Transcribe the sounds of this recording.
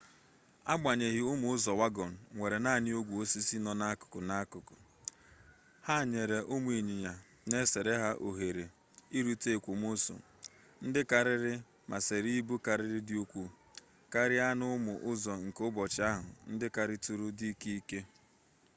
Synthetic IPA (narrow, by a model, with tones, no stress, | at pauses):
a˦ɡ͡ba˨ɲe˨ɦi˨ʊ˦mʊ˨ʊ˦zɔ˨wa˦ɡɔ˨n̩˨ŋʷe˨ɾe˨na˦˨ɲɪ˦o˦ɡʷu˨o˦si˦si˦nɔ˦na˦a˦kʊ̥˨kʊ˨na˦a˦kʊ˨kʊ˨ | ha˦˨ɲe˨ɾe˨ʔʊ˦mu˦i˨ɲi˨ɲa˨ | ne˦se˨ɾe˦ɦa˦ʔo˨ɦe˨ɾe˨ | i˦ɾu˦te˦˨kʷu˨mo˦so̰˨ | n̩˦dɪ˦ka˨ɾɪ˦ɾɪ˦ | mʔa˨se˨ɾi˦bu˦ka˨ɾɪ˦ɾɪ˦dɪ˦u˦kʷu˦ | ka˦ɾɪ˦a˦nʊ˦mʊ˨ʔʊ˦zɔ˨ŋ̩˨kʊ˦bɔ˨t͡ʃɪ˦a˦ɦʊ̰˨n̩˦dɪ˦ka˨ɾɪ˦tu˨ɾʊ˦di˦ki˦i˦ke˦